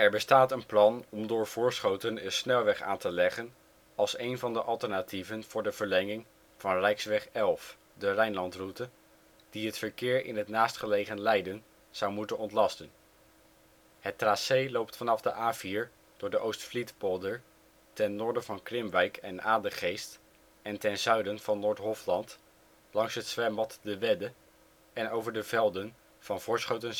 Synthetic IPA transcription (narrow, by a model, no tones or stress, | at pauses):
ɛɹbəstaːtənplɑnɔmdʊːɹv̥ʊːɹsχowtənənsnɛlˠʋɛχa̰ːntəlɛχən | ɑlˠsejnvɑndəʔɑlˠtəɹnativənv̥ʊːɹdəv̥əɹlɛŋɪŋ | v̥ɑnrɛjksʋɛχɛlˠf | dərɛjnlɑntrutə | d̥iɦətfəɹkɪːɹɪ̰nɦətnaːstχəlejχənlɛjdən | z̥ʌwmutənɔntlɑstən | hətrasejlowp̚tfɑnɑvdəʔaːviɹ | d̥ʊːɹdəʔowstflitpɔlˠdəɹ | tɛnːʊːɹdəvɑnkrɪmʋɛjkʰɛnaːdəχejst | ɛntɛnzœɥdənvɑnːʊːɹtɦɔflɑnt | lɑŋsɦətsʋɛmbɑtdəʋɛdə | ɛnowvəɹdəvɛlˠdən | v̥ɑnvʊːɹsχowtəns